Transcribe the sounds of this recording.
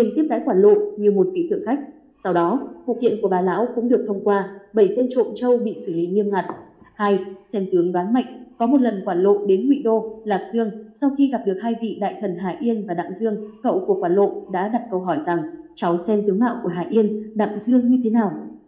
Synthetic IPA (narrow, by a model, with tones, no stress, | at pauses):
ɗi˨˧˩ŋt̪i˦˥əp̚ɗa̰˧˥jkwaː˧˩nlo̰˧˨nɲi˨˧əwmo˨˩t̚kḭ˧˥t̪ʰɨ̰˧˩əŋxa˦˥jk̚ | sa˧wɗɔ˨˦vṵ˧˨kḭ˧˨ənku˧˩ɓaː˨˩la̰ː˧˥wkʊ̰˧˥ŋ͡mɗɨ˨˩ək̚t̪ʰə˧wŋ͡mkwaː˧ɓə˧˩jt̪e˧nt͡ɕo̰˧˨nt͡ɕə˧wɓḭ˧˨sɨ˧˩lḭ˧˨˦ɲi˧əmŋa˨˩t̚ | ha˧jsɛ˧mt̪ɨ˨˦əŋvaː˨˦nma̰˧˨jŋ̟kɔ˨˦mo˨˩t̚lə˨˩nkwaː˧˩nlo̰˧˨nɗe˨˦nŋwḭ˧˨ɗo˧laː˨˩p̚z̥ɨ˧əŋsa˧wxi˧ɣa˨˩p̚ɗɨ˨˩ək̚haː˧jvḭ˧˨ɗa̰ː˧˨jt̪ʰə˨˩nɦaː˨˩ʔi˧ənvaː˨˩ɗa̰ː˧˨ŋzɨ˧əŋkə̰˧˨wku˧˩əkwaː˧˩nlo̰˧˨nɗa̰ː˧˥ɗa˨˩p̚kə˧wɦɔ˧˩jza˨˩ŋt͡ɕa˨˦wsɛ˧mt̪ɨ˨˦əŋna̰ː˧˨wku˧˩əɦaː˨˩ʔi˧ənɗa̰ː˧˨ŋzɨ˧əŋɲɨ˧t̪ʰe˨˦naː˨˩w